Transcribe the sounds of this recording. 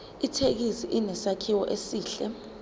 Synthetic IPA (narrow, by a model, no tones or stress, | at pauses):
itʰek̬isiʔinɛsakʰiwɔʔesiːɬɛ